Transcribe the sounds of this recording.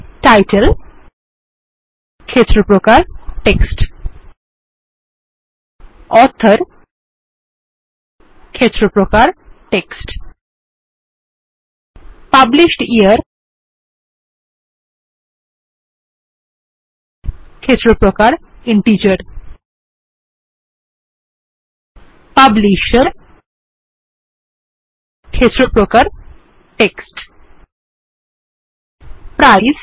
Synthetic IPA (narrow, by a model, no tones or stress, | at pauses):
ʈajʈel | kʰet̪ːɾopɾokaɾʈeksʈ | ɔɾt̪ʰːəɾ | kʰet̪ɾopɾokaɾʈeksʈ | pabliʃʈiəɾ | kʰesɾopɾokaɾiɳʈit͡ɕəɾ | pabliʃəɾ | kʰesɾopɾokaɾ | ʈeksʈ | pɾajz